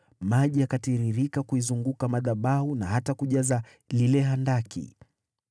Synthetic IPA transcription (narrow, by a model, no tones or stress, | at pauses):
maʄiakatiɾiɾikakuizuŋɡukamaðaɓahunaɦatakuʄaza | lilɛɦandakʰḭ